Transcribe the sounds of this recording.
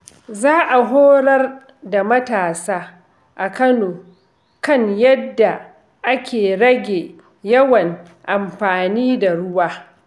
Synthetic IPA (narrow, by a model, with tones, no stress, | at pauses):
zaː˦ʔa˨ɦoː˦ɽɐ˦r | da˨mɐ˦taː˨saː˦ | ʔa˨kɐ˦noː˨ | kɐ˦ɲjɐ˦dːa˨ | ʔa˦kʲeː˨ɽɐ˦ɡʲeː˨ | jɐ˦wɐ˨ŋ | ʔa˨mɸaː˨niː˦da˨ɽʊ˦waː˦